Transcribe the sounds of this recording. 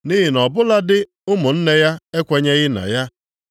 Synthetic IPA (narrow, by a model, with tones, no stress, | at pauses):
ni˦ɦi˨nɔ˨bʊ˦la˦dɪ˦ | ʊ˦mʊ˨n̩˦ne˦ja˦e˦kʷe˦ɲe˦ɣɪ˦na̰˨ja˦